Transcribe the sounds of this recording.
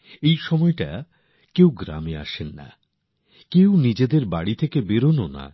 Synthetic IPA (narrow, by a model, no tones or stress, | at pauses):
ejʃɔmɔeʈa | kewɡɾa̰mea̰ʃenːa̰ | kewnid͡ʑed̪eɾbaɽit̪ʰekebeɾonona̰